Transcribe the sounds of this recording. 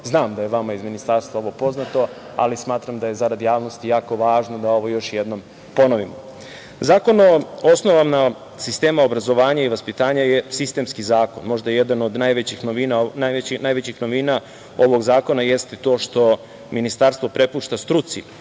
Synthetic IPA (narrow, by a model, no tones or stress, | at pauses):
znaːmd̪ajeʋamaizminist̪aɾst̪ʋaoʋo̞po̞znat̪o̞ | a̰lismaːt̪ɾamd̪aje̞zaɾad̪jaːʋno̞st̪ijaːko̞ʋaːʒnod̪ao̞ʋo̞jo̞ʃje̞d̪no̞m | po̞no̞ʋimo | zaːko̞noosnoʋamna | sist̪e̞ːmao̞bɾazo̞ʋaːɲaiʋaspit̪aːɲajesist̪e̞mskizaːko̞nmo̞ʒd̪ajeje̞d̪ano̞d̪najʋet͡ɕixnoʋinanaeinaːjʋet͡ɕixno̞ʋina | o̞ʋo̞ɡzaːko̞naje̞st̪et̪o̞ːʃt̪o̞ | minist̪aɾst̪ʋo̞pɾe̞puːʃt̪ast̪ɾut̪si